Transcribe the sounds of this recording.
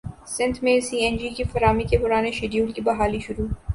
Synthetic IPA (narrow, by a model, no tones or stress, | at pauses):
sɪ̃nd̪mẽsiːɛnd͡ʒikifɐɾaːmikepʊɾaːneʃeɖjuːlkibɐɦaːliʃʊɾuː